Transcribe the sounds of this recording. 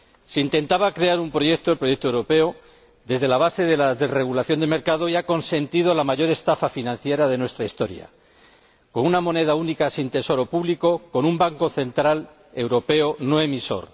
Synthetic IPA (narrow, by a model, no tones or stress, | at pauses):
seint̪e̞nt̪aβakɾe̞aɾumpɾo̞ʝek̚t̪oelpɾo̞je̞k̚t̪owɾo̞pe̞o | ðe̞zðe̞laβ̞ase̞ðe̞laðe̞zre̞ɣulaθjo̞nd̪eme̞ɾkaðo̞iako̞nse̞nt̪iðo̞lamaʝo̞ɾe̞st̪afafinãn̟θje̞ɾaðe̞nwe̞st̪ɾaist̪o̞ɾja̰ | ko̞nunamo̞ne̞ðaunikasint̪e̞so̞ɾo̞puβliko̞ko̞numbaŋko̞θe̞nt̪ɾal | e̞wɾo̞pe̞ono̞e̞miso̞̰ɾ